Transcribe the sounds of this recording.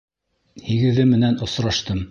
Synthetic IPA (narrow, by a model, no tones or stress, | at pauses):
hiɡɘ̆ðɘmɘ̆nænŏsɾɑʃt̪ɤm